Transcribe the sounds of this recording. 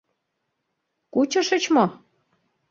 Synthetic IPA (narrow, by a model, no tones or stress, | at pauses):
kut͡ɕɤ̆ʃə̆t͡ɕmo